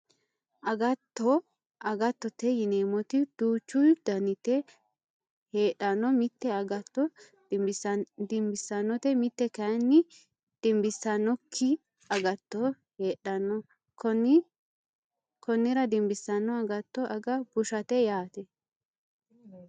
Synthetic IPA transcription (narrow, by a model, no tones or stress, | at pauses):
ʔɐɡɐt̪ːɔ | ʔɐɡɐt̪ːɔt̪ɛjɪneːmɔt̪ɪd̪̥uːt͡ʃːʊjd̪̥ɐnɪt̪ɛ | heːᶑɐnːɔmɪt̪ːɛɐɡɐt̪ːɔ | d̪ɪmbɪsːɐnːɔt̪ɛmɪt̪ːɛkɐnːɪ | d̪̥ɪmbɪsːɐnɔkʰːɪ | ɐɡɐt̪ːɔ | heːᶑɐnɔ | k | kɔnːɪɾɐd̪ɪmbɪsːɐnːɔɐɡɐt̪ːɔʔɐɡɐbʊʃɐt̪ɛjaːt̪ɛ